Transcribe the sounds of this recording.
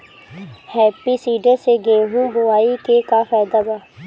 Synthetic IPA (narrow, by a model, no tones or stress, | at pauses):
hɛːpiːsiːɖəɾseːɡeːɦuːɡʊʋaːiːkeːkaːfaːjd̪aːɡaː